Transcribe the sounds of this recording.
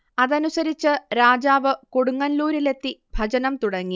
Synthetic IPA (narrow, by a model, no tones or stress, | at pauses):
ɐðɐnusɐɾit͡ɕːɨɾaːd͡ʑaːʋɨkoɽuŋːɐnluːɾile̞t̪ːibʱɐd͡ʑɐnɐmt̪uɽɐŋːi